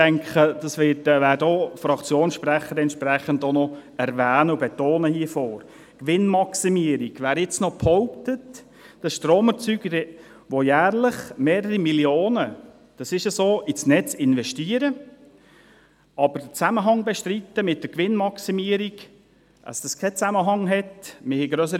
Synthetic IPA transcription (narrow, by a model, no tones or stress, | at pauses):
æŋkχəd̥ɑsʋɪtʋæːɾdofɾɑkt͡sjoːnsʃpræχːədɛntʃpɾɛχəndonɔɛɾʋæːnəubɛt̪oːnəhiəfoːɾ | kʋɪnmɑksimiəɾiɡ̥ʋæːɾɪt͡snɔpʰhɔʊp̚tət | d̥ɑsʃtɾoːməɾt͡syːɡəɾ | ʋojæːɾləχmeːɾəɾimiljoːnə | d̥ɑsɪʃəsoːʔisnɛt͡sɪnvɛʃtiːəɾə | ɑb̥əɾd̥ət͡sæməɦɑŋbɛʃtɾit̪ːəmɪt̚d̥əkʋɪnmɑksimiːəɾiɡ | ʔə̰sd̥ɑskʰɛt͡sæməɦɑŋɦɛtmɪhɛɡɾœs̬əɾ